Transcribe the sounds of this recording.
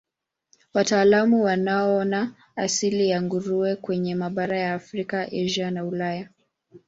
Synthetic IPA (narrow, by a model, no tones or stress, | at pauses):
wataːlamuwanaɔɔnaː | silijaŋɡuɾuɛkwɛɲɛmaɓaɾajaːfɾikaʔɛʒanaulaja